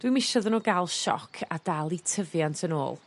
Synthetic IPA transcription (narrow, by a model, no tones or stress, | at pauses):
d̥wimɪʃɔðənoɡalˠʃɔ̰kʰad̥alˠitʰəvjantʰəno̰ːlˠ